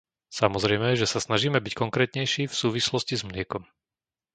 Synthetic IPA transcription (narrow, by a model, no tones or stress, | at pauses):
samɔzɾɛjmɛʒɛsasnaʒiːmɛbickɔŋkɾɛːt̪ɲɛjʃiːfsuːʋislɔscizmlɪɛkɔm